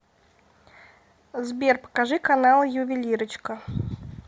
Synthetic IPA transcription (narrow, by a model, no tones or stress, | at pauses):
zbʲerpə̥kaʐɨkanalˠjʊvʲɪlʲiɾət͡ɕkə